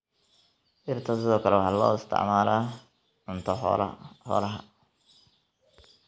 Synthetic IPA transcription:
ʔɪrt̪ʰɐsɪðɔːkʰɐlɛwɑħɑːlɔ̰ːɪst̪ʰɪ̰ʕmaːɾaː | ʕʊnt̪ʰɐ̰hɔ̰lɐɦɐ

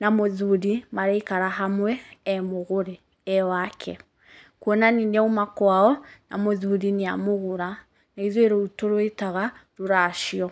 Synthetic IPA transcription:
namoðuɾimaɾeikaɾaɦamwɛːmoɣoɾe | ɛwakʰɛ̰ | kuɔnaninɛumakwaɔna̰moðuɾineamoɣuɾa | naiðweɾoutoɾoetaɣaɾoɾaʃiɔ

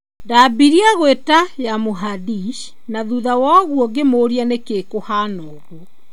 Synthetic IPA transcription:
ndabiɾiaɣwetajamoɦadiʃ | naðuðawaɣwɔɡemoːɾianekeːkohaːnɔːɣuɔ

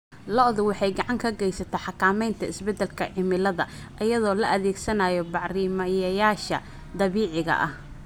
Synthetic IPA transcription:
lɔðʊwɑħɑjɡɑʕɑŋkʰɐɡɛjsɐt̪ʰɐħɑkʰaːmɛjnt̪ʰɐɪsbɛd̪ɛlkʰɐʕɪmɪlɐðɐʔɐjɐðɔːlɐʔɐðɛːɡsɐnaːjɔbɑʕriːmɐjɐjaːʃɐ̰ | d̪ɐβiːʕɪɣɐ̰ʔɐh

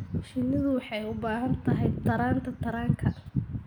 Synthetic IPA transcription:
ʃɪnːɐðʊwɑħɑjʊbaːɦɐnt̪ʰɐɦɛjt̪ʰɐɾaːnt̪ʰɐt̪ʰɐɾaːŋkʰɐ

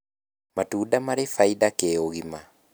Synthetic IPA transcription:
matuːdamaɾefaidakɛoɣima

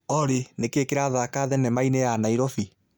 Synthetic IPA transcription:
ɔɾenekekeɾaːðakaðɛnɛmainejanaiɾɔfi

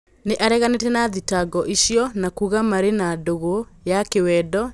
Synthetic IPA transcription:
neʔaɾɛɣanetɛnaðitaɡɔʔiɕiɔnakuɣamaɾenadoɣojakewɛdɔ

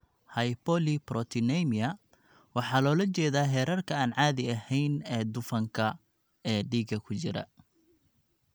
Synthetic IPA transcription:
hɐjpɔliprɔt̪ʰɪnɛmɪɐ | wɑħɑːlɔːlɐt͡ʃɛːðaːɦɛːɾɐrkʰɐaːnʕɑːðɪɐhɛjnɛːd̪ʊfɐŋkʰɐ | ɛːɖiːɡɐkʰʊt͡ʃɪɾɐ̰

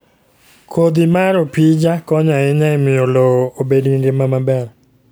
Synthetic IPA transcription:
kʰod̪imaɾopid͡ʒakɔɲaɪɲaɪmɪoloobediŋɡɪmamabɛɾ

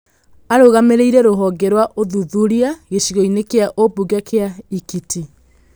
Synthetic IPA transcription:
aɾoɣameɾeiɾɛɾoɦɔɡɛɾwaʔoðuðuɾiaɣeɕiɣɔinekeaʔobuɡakʰeaikiti

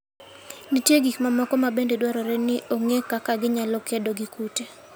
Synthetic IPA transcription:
nitjeɡikmamɔkɔmabendedwaɾɔɾɛnɪʔoŋekakaɡɪɲalɔkedoɡikute

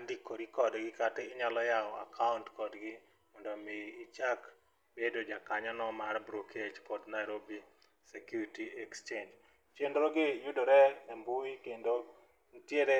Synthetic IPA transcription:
andikːoɾikɔdɡɪkateɪɲalɔjaɔa̰kʰauntkɔdɡɪ | mɔndɔmeːt͡ʃak | bedod͡ʒakaɲanɔmarbɾokʰed͡ʒkɔdnajɾobi | sekjuɾitiɛkst͡ʃend͡ʒ | t͡ʃendɾoɡɪjʊdoɾɛːmbʊikendo | n̩tjeɾe

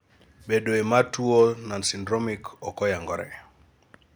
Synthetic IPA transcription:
bedoematuonansindɾomikɔkɔjaŋɡɔɾɛ̰

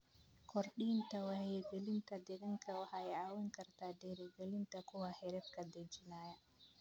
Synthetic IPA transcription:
kʰɔɾɗiːntawahejɡelintad̪ɛɗɛŋkʰawahajaːwɛŋkɐɾtadɛɾɛɡelintakɔwahɛɾɛtkad̪ɛd͡ʒinaːja

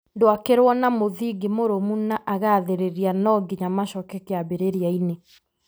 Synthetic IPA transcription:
ndoakeɾwɔnamoðiɡimoɾomunaʔaɣaðeɾeɾianɔɡiɲamaʃɔkɛkeabeɾeɾiaine

